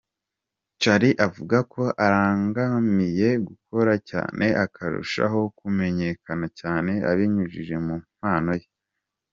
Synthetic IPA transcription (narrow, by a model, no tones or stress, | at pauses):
t͡ʃaɾiʔavuɡakʰo̞ʔaɾaːŋɡamije̞ɡukʰo̞ɾaca̰ːnʔe̞ʔakʰaɾṵʃa̰ɦo̞kume̞ɲe̞kanacaːne̞a̰βiɲuʒiʒe̞mum̥haːno̞je